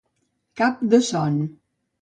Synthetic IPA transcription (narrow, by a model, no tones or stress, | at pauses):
kap̚d̪əsɔn